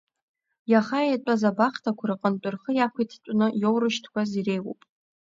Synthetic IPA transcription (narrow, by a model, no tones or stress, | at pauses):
jaχaejtʷʼazabaχtʰakʷʰaɾɨqʼənt͡pʼʊrχəjakʷʰajtʰit͡ʃʷʼnɨjowrɨʃtʰkʷazirejwo̰pʼ